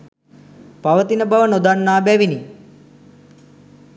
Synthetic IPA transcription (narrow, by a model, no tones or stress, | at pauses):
paʋət̪inəbaʋənod̪anːaːbɛʋini